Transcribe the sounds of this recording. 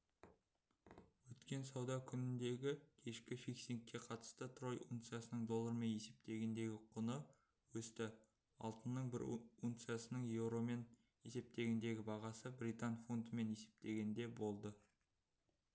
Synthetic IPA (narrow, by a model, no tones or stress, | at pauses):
wɵt̪kʲe̞nsɑwd̪ɑkʲʰʏnɪnd̪e̞ɡʲɪkʲʰe̞ʃkʲɪfiksiŋkʲːe̞qʰɑt̪ə̥st̪ət̪ʰro̞jṵŋt̪sɨjasənəɴd̪o̞lˠːəɾme̞nje̞se̞p̚t̪e̞ɡʲend̪e̞ɡʲɪqʰʊnə | wɵst̪ɪ | ɑ̰lˠt̪ənːəɴbɪ̰ɾuŋt̪sɨjasənəɴje̞wɾo̞me̞n | je̞se̞p̚t̪e̞ɡʲend̪e̞ɡʲɪbɑʁɑsəbɾʲijt̪anfo̞nd̪əme̞ne̞se̞̥p̚t̪e̞ɡʲe̞nd̪e̞bo̞lˠd̪ə